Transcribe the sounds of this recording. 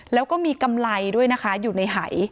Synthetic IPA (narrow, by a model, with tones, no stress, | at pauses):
lɛː˦˥wkɔː˥˩miː˧ka˧mla˧jdu˥˩əjna˦˥kʰa˦˥juː˨˩na˧jɦa˩˦j